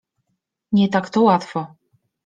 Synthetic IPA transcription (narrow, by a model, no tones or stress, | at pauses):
ɲɛt̪akt̪ɔwat̪fɔ